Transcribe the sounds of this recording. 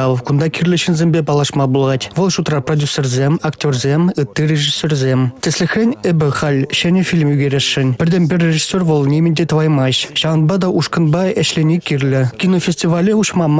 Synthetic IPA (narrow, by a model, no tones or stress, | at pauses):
ɑkund̪ɑkʲirʲlʲɘ̆ɕɘ̆nʲzʲemʲbʲepɑlˠɑʂmɑbulˠɑtʲʋɤlˠʃut̪rɑprodʲjusʲerzʲemʲaktʲorzʲemʲɯt̪ːirʲeʐisʲːerzʲemʲtʲɘ̆sʲlʲɘ̆xrʲenʲɘ̆bʲɘ̆χɑlʲɕɘ̆nʲefʲilʲmyɡʲeɾʲeʂːɘ̆nʲbʲɘ̆rʲd̪ʲemʲbʲɘrʲːeʐisʲːorʋɤlˠnʲemʲɘ̆nʲd̪ʲet̪ɤ̆ʋɑjmɑɕɕɑʁɤ̆nbɑd̪ɑʔuʂkɤ̆nbɑɘ̆ɕlʲenʲekʲirʲlʲɘ̆kʲinofʲesʲtʲiʋɑlʲeuɕmɑm